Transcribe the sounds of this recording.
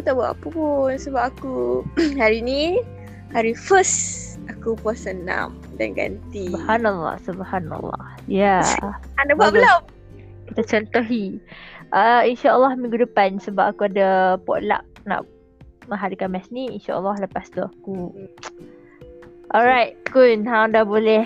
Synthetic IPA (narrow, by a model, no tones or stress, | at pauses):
akut̪aʔbua̰ʔpəpunsəbap̚akuhaɾini | haɾifəs | akupasəna̰m | da̰nɡa̰nt̪ibhanalːɑ̰subhana̰lːɑ̰hjaanababəla | kit̪at͡ʃɔnt̪ɔɦiʔainʃaʔəlːɑhmĩŋɡudəpansəbap̚akuadapɔ̰ʔla̰ʔ̚ | na̰ʔ | mə̃ɦaɾikanmɛsniinʃa̰ʔə̰lːɑhləpast̪uaku | ʔɔɹajt̚kunɦãdabolɛ